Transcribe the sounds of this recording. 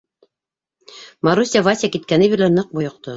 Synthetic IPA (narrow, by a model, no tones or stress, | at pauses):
maɾusʲavasʲjakit̪̚kænɘbiɾlænɤq̚bŏjŏq̚t̪o